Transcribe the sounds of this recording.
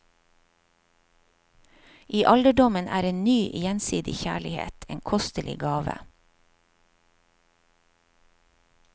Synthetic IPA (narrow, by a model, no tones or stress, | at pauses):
ʔiːʔɑld̪əɖɔmənʔæ̰ːɾeːnnyːʔjɛnsḭːd̪ɪ̰çæːɭɪhḛːt̪ʰḛːŋkʰɔst̪əlʔɪ̰ɡɑːʋə̰